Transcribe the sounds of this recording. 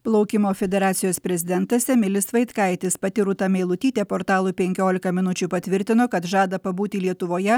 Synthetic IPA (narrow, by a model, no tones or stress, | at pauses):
plˠɐʊkʲɪmoːfʲɛd̪ʲɛɾɑːt̪sʲɪjoːspʲɾʲɛzʲɪd̪ʲɛnt̪ɐsʲɛmʲɪlʲɪsʋɐɪt̪kɐɪt̪ʲɪspɐt̪ʲɪɾʊt̪ɐmʲɛɪlˠʊt̪ʲiːt̪ʲeːpoːɾt̪ɑːlˠuːpʲɛŋʲkʲoːlʲɪkɐmʲɪnʊt͡ʃʲupɐt̪ʲʋʲɪɾʲt̪ʲɪnoːkɐt̪ʒɑːd̪ɐpɐbuːt̪ʲilʲiɛt̪ʊʋoːjɛ